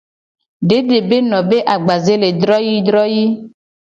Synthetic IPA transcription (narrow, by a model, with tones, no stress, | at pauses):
ɖe˦ɖe˨be˦nɔ̃˨be˦ʔa˨ɡ͡ba˨ze˦le˨d̪ɾɔ˦ji˦d̪ɾɔ˦ji˦